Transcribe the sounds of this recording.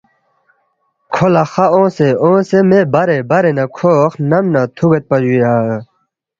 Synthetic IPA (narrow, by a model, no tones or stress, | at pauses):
kʰolaxaõːseõːsemebɐɾebɐɾenakʰoːxnɐmnat̪ʰuɡet̪̚pɐd͡ʑujaː